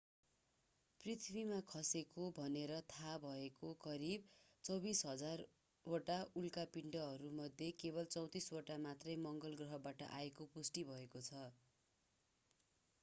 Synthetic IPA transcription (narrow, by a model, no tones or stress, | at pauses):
prit̪ʰbimakʰʌsekobʱʌneɾʌt̪ʰabʱʌekokʌɾib̚t͡sʌwbisɦʌd͡zar | oʈaulkapiɳɖʌɦʌɾumʌd̪ʱjekeβʌlt͡sʌw̃t̪isoʈamat̪rʌjmʌŋɡʌlɡrʌɦʌbaʈʌ̰ʔa̰ekopusʈibʱʌekot͡sʰʌ